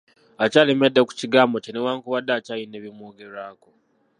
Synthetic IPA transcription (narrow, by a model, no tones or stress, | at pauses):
acaleme̞dːeku̥ciɡaːmbo̞cinewaːŋkuβadːaːcajine̞βimwoːɡe̞ɾaːko